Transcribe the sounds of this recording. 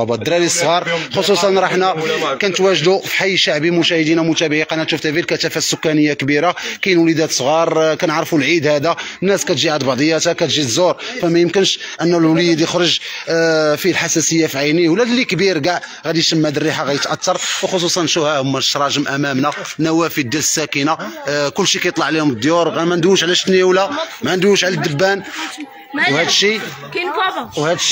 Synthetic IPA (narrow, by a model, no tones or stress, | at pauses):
bɑd̪ɾælisˤːɣɑɾˤxosˤusˤɑnɾˤɑħnækænət̪wæʒd̪ufi̥ħajːʃaʕbimʊʃæhəd̪inæmʊt̪æbʕiqɑnæʃuft̪ævilkæt̪æfæsːʊkːænəjːakbiɾakæjənwlid̪æt̪sˤɣɑɾˤkænəʕɾˤfulʕid̪hæd̪ænːæskæt̪ʒiʕad̪bɑʕd̪ˤəjːæt̪akæt̪ʒid̪zuɾˤfæmæjəmkənʃʔənːælwlijd̪jəxɾˤəʒ | filħasæsəjːafiʕajniwlæd̪lːikbiɾɡaʕ | ɣæd̪iʃəmːæd̪ərːiħaɣæjət̪ʔat̪ːɑɾˤwxos̬ˤusˤɑnːʃuhæhʊmːæ̥ʃɾˤɑʒəmʔæmæmnænæwæfid̪ːæləsːækənakʊlːʃikæjət̪ˤlɑʕlihʊmd̪juɾˤɣæmænd̪uʃʕlæʃt̪niwlæmænd̪wuʃʕlæd̪ːəbːæn | whæd̪ʃifwhæd̪